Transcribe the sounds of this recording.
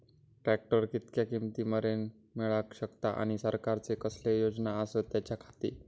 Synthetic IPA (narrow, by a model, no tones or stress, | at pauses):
ʈɾæk̚ʈəɾkit̪kjakimt̪iːməɾen | mɛɭakɕəkt̪aʔa̰ɽ̃isəɾkaɾt͡sekəslejod͡znaəsət̪jat͡ɕjakʰḁt̪ḭː